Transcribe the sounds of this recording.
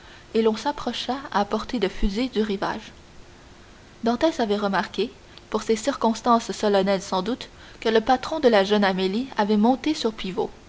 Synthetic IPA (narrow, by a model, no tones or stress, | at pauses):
elɔ̃sapχɔʃaa̰ːpɔʁt̪ed̪əfyzid̪yʁiva̰ːʒ | d̪ɑ̃t̪ɛsavɛʁəmaʁkʲe | puʁsesiʁkɔ̃st̪ɑ̃sːɔlanɛlsɑ̃d̪ut̪ | kələpat̪χɔ̃d̪əlaʒœnameliavɛmɔ̃t̪esyʁpivo